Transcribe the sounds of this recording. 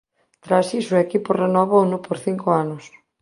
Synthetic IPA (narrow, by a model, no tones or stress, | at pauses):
t̪ɾasisoekiporenoβonʊpoɾθiŋkoanʊs